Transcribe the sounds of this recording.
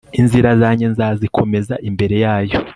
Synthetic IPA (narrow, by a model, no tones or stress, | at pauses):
inziɾazaːɲenzazikʰo̞me̞zaʔimbe̞ɾe̞jaːjo̞